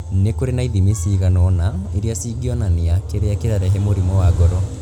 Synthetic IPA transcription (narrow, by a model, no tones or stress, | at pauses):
nekoɾenaiðimisiːɣanɔnaeɾiasiːɡiɔnaneakeɾeakeɾaɾɛɦɛmoɾimɔwaɡɔɾɔ